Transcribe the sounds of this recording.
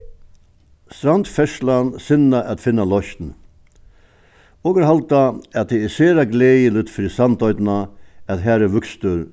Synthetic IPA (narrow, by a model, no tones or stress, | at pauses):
st̪ɾand̪fɛʂlansɪnaʔat̪fɪnːalɔçt̪n̩ | oːɡəɾɦalt̪aat̪̚d̪ɛɛseːɾaɡleːjəlɪt̪fɾiːsɑnt̪ɔʏt̪naæt̪ɦæːɾɛʋʉkst̪əɾ